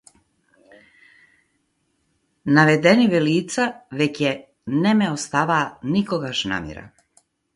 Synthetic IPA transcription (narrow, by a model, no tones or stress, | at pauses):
navɛd̪ɛnivɛliːt̪savɛcɛ | nɛmɛost̪avaːnikɔɡaʃna̰ːmjɛ̰ɾa̰